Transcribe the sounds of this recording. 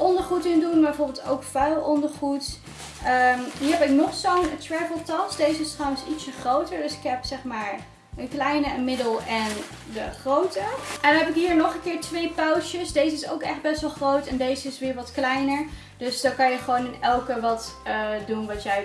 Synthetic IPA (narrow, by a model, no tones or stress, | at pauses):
ʔɔndəɹχutɪŋdunbɛjvʊːɹbɪlˠto̰wkfœɥlˠɔndəɹχut | ʔəmɦiːɹɦɛpɪknɔχsowntɹɛvəlˠtɑsd̥ejzəɪstrɑwə̃nsitsəχrowtəɹdɵsɪ̥kɦɛpsɛχmaːɹ | əklɛjnəmɪdəlˠɛn | dəχrowtəʔɛndɑnɦɛpɪkɦiːɹnɔχənkɪːɹtʋejpawʃəsdejzəɪso̰wkɛχd̚bɛsʋɛlˠχrowtɛndejzəɪsʋɪːɹʋɑtklɛjnəɹ | d̥øsdokɑnjəχəʋownɪnɛlˠkəʋɑtədunʋɑtjɛj